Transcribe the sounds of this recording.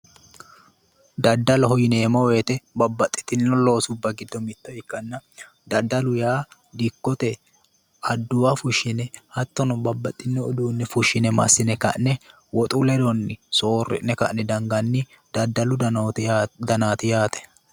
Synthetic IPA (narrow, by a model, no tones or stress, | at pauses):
d̪ɐd̪ːɐlɔɦɔjɪneːmɐweːt̪ɛbɐbːɐt̪ʼːɪ̥t̪ɪnːɔlo̞ːsʊbːɐɡɪd̪ːɔmɪt̪ːɔɪkːɐnːɐ | d̪ɐd̪ːɐlʊjaː | d̪ɪkːɔt̪ɛ | ɐd̪ːʊwɐfʊʃːɪnɛhɐt̪ːɔnɔbɐbːɐt̪ʼːɪnːɔːd̪uːnːɛfʊʃːɪnɛmɐ̰sːɪnɛkɐ̰ʔnɛ | wɔt̪ʼʊlɛd̪ɔnːɪso̞ːrːɪ̰nːɛkɐ̰ʔnɛd̪ɐŋɡɐnːɪ | d̪̥ɐd̪ːɐlʊ | d̪ɐnaːt̪ɪjaːt̪ɛ̥